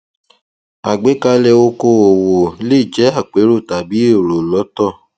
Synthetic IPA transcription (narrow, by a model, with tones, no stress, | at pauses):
a˨ɡ͡be˨˦ka˧lɛ˧o˧ko˧˨o˨wo˨˦le˦˨d͡ʒɛ˨˦a˦˨k͡pe˨˦ɾo˦˨ta˨bi˨˦e˦˨ɾo˨lɔ˨˦tɔ˦˨